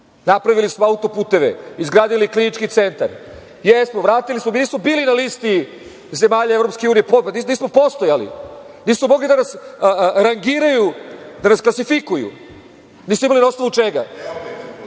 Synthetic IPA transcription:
napɾaʋilismoaut̪o̞puːt̪e̞ʋḛizɡɾaːd̪iliklinit͡ʃkit̪se̞nt̪aɾ | jesmoʋɾaːt̪ilismominiːsmo̞biːlinaliːst̪i | ze̞maːʎaevɾopske̞uːnijeponiniːsmo̞post̪ojalḭ | niːsmomo̞ɡlid̪anasɾaŋɡiɾajud̪anasklasifikujṵ | niːsmoimalinost̪aʋut͡ʂeɡa̰

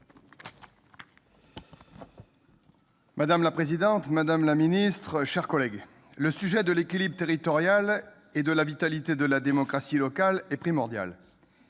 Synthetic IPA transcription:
mad̪amlapχezid̪ɑ̃t̪mad̪amlaminist̪χəʃɛʁkɔlɛɡ | ləsyʒɛd̪əlekʲilibʁət̪eʁit̪ɔʁjal | ed̪əlavit̪alit̪ed̪əlad̪emɔkχasilɔkalɛpχimɔʁd̪ja̰l

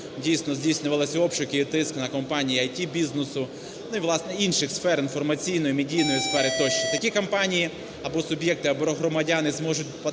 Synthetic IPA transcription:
dʲijsnɔzʲdʲijsʲnʲʊʋɐlˠɪsʲɔpt͡ʃʊkɪit̪ɪsknɐkɔmpɑnʲijiɐjtʲibʲiznesʊ | nʊiʋlˠɑsnɛinʃɪxsfɛɾinfɔrmɐt͡sʲijnɔjimedʲijnɔjisfɛɾɪt̪ɔʃt͡ʃɪt̪ɐkʲikɐmpɑnʲiji | ɐbɔsʊbʲjɛk̚t̪ɪɐbɔɔɦɾɔmɐdʲanɪzmɔʒʊt̚ʲpɐ

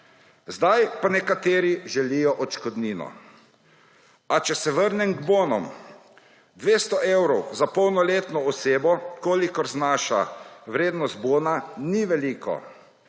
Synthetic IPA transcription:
zd̪ajpanɛkat̪eːɾiʒɛlijɔʔɔt͡ʃkɔd̪niːnɔ̰ | at͡ʃɛsɛʋəɾnɛmɡboːnɔm | d̪ʋeːst̪ɔʔewɾɔwzapɔwnɔleːt̪nɔɔseːbɔkoːlikɔɾznaːʃa̰ʋɾeːd̪nɔst̪̚boːnaniʋɛliːkɔ̰

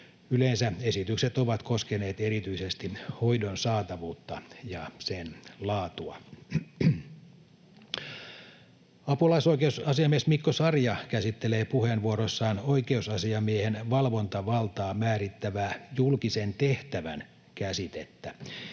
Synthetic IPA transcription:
ylensæesit̪ykset̪oʋɑt̪koskeneːt̪eɾit̪yisest̪ihoidonsɑːt̪ɑʋuːt̪ːɑjɑsenlɑːt̪uɑ̰ | ɑpulɑisoikeusɑsiɑmiesmikːosɑrjɑkæsit̪ːeleːpuhenʋuoɾosːɑːnoikeusɑsiɑmiehenʋɑlʋo̞nt̪ɑʋɑlt̪ɑːmæːɾit̪ːæʋæːjulkisent̪eht̪æʋæn | kæsit̪et̪ːæ

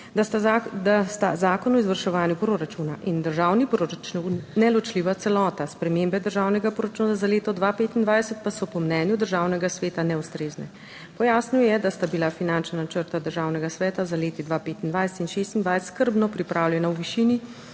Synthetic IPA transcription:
t̪ad̪ast̪azaːkɔnɔizʋəɾʃɛʋaːnjupɾoɾat͡ʃunaʔind̪əɾʒaːwnipɾoɾat͡ʃninɛlɔt͡ʃliːʋat̪sɛlɔːt̪aspɾɛmembɛd̪əɾʒaːwnɛɡapɾoɾat͡ʃuːnazaleːt̪ɔd̪ʋapeːt̪ind̪ʋajsɛt̪̚pasɔpɔmnɛːnjud̪əɾʒawnɛɡasʋeːt̪anɛust̪ɾeːznɛ̰ | pɔjaːsnuwjɛd̪ast̪abilafinant͡ʃnanat͡ʃəɾt̪ad̪əɾʒaːwnɛɡasʋɛːt̪azaleːt̪id̪ʋapeːt̪ind̪ʋajsɛ̥t̪inʃeːst̪ind̪ʋajst̪skəɾbnɔpɾipɾaːwljɛnawʋiʃiːni

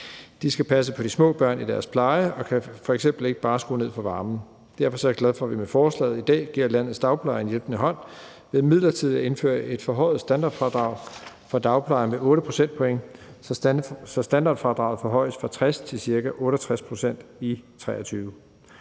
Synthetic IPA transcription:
d̥isɡ̥æpʰæs̬əpʰɒ̽d̥ismɔ̰̽ːb̥ɶɐ̰nid̥æɐspʰlɑ̈ɪəɒ̽kʰæfɒ̽eɡsemb̥l̩e̝ɡ̥əb̥ɑ̈ːsɡ̥o̝ːne̝ð̰ˠfɒ̽ʋɑ̈ːmn̩ | d̥æɐ̰fɒ̽sɒ̽ɐɡ̥læð̞ˠfɒ̽ʋimefɒːslɛ̰ːð̩ˠid̥ɛ̰ːɡ̥ḭɐ̰læn̰ð̩ˠsd̥ɑ̈ʊpʰlɑ̈ɪɐnjelb̥nəɦɒ̽n̰ | ʋe̝ðˠmið̰ˠlɐt͡sʰið̞̰ˠæe̝nfø̰ɐʔe̝d̥fɒ̽ɦɒ̽ɪð̩ˠsd̥ænd̥ɑ̈ːd̥fʁɑ̈d̥ʁɑ̈ʊ̰ | fɒ̽d̥ɑ̈ʊpʰlɑ̈ɪɐmeʔɔ̽ːɾəpʰʁo̝sen̰d̥pʰɔ̽eŋ | sɒ̽sd̥ænd̥ɑ̈ːd̥fʁɑ̈d̥ʁɑ̈ʊð̩ˠfɒ̽ɦɒ̽ɪ̰sfʁɑ̈t͡sʰʁɛst͡sʰe̝lsiɐɡæʔɔ̽ːɾəɒt͡sʰʁaspʰʁo̝sen̰d̥it͡sʰʁɛ̰ːɐt͡sʰyːʊ

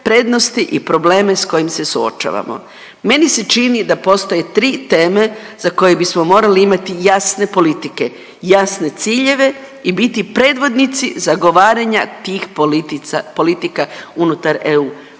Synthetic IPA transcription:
pɾe̞d̪no̞st̪iʔipɾo̞ble̞ːme̞sko̞jimse̞suo̰t͡ʃa̰ʋa̰mo̞̰ | me̞niset͡ʃinid̪apo̞st̪o̞je̞t̪ɾiːt̪e̞ːme̞zako̞jebismo̞mo̞ːɾaliimat̪ijasne̞po̞lit̪ike̞ | jasne̞t̪siːʎe̞ʋe̞ | ibit̪ipɾe̞ːd̪ʋo̞d̪nit̪sḭzaɡo̞ʋaːɾaɲat̪iːx | po̞lit̪ikaunut̪aɾeuː

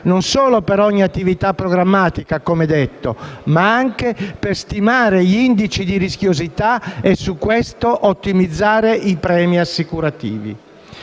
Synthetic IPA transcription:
nonsɔːlopeɾɔɲːiat̪ːivit̪apːɾoɡɾamːaːt̪ikakomed̪ɛt̪ːo̰maaŋkeperst̪imaːɾeʎind̪it͡ʃid̪iɾisk̟jozit̪aesːukːwɛst̪oʔot̪ːimid̪zːaːɾeʔipɾɛːmiasːikuɾat̪ḭːvḭ

